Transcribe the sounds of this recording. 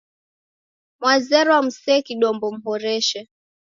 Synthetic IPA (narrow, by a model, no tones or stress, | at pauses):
mwazɛɾɔwam̩sɛːkiɗɔmbɔm̩ɦɔɾɛʃɛ